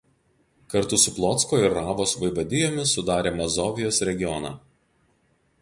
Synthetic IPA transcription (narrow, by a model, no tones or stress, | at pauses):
kɐɾt̪ʊsʊplˠɔt̪skoːɪɾːɑːʋoːsʋɐɪʋɐd̪ʲɪjoːmʲɪsʊd̪ɑːɾʲeːmɐzɔːʋʲɪjoːsɾʲɛɡʲɪjɔnɑ̰ː